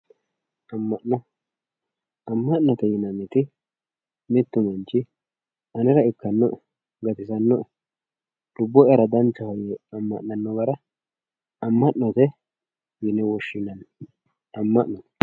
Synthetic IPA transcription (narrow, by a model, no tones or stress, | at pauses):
ɐmːɐʔnɔ | ɐmːɐʔnɔt̪ɛjɪnɐmɪt̪ɪ | mɪt̪ːʊmɐnt͡ʃːɪ | ɐnɪɾɐɪkːɐnːɔʔ | ɡɐt̪ɪsɐnːɔ | lʊbːɔɐɾɐd̪ɐnt͡ʃːɐhɔjɛɐmːɐ̰ʔnɐnːɔbɐɾɐ | ɐmːɐʔnɔt̪ɛ | jɪnɛwɔʃːɪnːɐn | ɐmːɐʔnɔ